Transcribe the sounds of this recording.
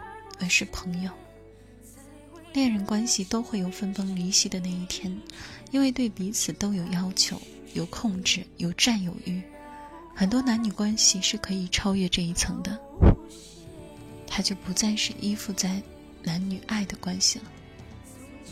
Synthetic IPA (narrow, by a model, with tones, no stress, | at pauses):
ə˨˩ʂɻ̩˥˩pʰɤ˧˥ŋjo˨˧ʊ | ljɛ˥˩ɻə˧˥nkwa˥nɕi˨t̪o˥ʊxwe˥˩ɪjo˨˩ʊfə˥nfɤ˥ŋli˧˥ɕi˥˩d̪ə˩˦na˥˧i˥˩t̪ʰjɛ˥ni˥nwe˥˧ɪt̪we˥˩ɪpi˧˥t͡sʰɹ̩˨˩t̪o˥ʊjo˨˩ʊjɑ˥ʊt͡ɕʰjo˧˥ʊ | jo˨˩ʊkʰʊ˥˧ŋʈ͡ʂɻ̩˥˩jo˨˩ʊʈ͡ʂa˥˩njo˨˩ʊy˥˩ | xə˨˩nt̪wɔ˥na˧˥nny˨˩kwa˥nɕi˨ʂɻ̩˥˩kʰɤ˧˥i˨˩ʈ͡ʂʰɑ˥ʊɥɛ˥˧ʈ͡ʂɤ˥˧i˥˩t͡sʰɤ˧˥ŋd̪ə˧ | t̪ʰa˥t͡ɕjo˥˩ʊpu˧˥t͡sa˥˧nʂɻ̩˥˧˩ʔi˥fu˥˧t͡sa˥˩ɪ | na˧˥nny˨˩ʔa˥˩ɪd̪ə˩kwa˥nɕi˨lə˩